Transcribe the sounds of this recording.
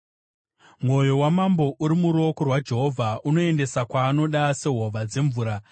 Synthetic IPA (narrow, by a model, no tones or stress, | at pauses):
mwo̞jo̞wamambo̞ʔuɾimuɾo̞korwad͡ʒe̞ɦo̞vʱaʔuno̞e̞nde̞sakwaːno̞ɗase̞ɦoʋad͡ze̞ɱvuːɾa